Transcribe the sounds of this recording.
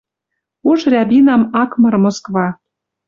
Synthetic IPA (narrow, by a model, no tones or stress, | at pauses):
uʒrʲɑβʲinɑmɑkmɤ̆rmoskβɑ